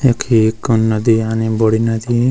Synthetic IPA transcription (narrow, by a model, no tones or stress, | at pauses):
jɐkʰikonːʌd̪ianibɔɽinɐd̪i